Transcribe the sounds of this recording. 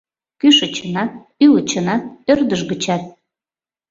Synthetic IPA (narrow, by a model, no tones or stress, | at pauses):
kyʃət͡ɕənɑ | ylət͡ɕə̆nɑørd̪əʒɡət͡ɕɑt̪̚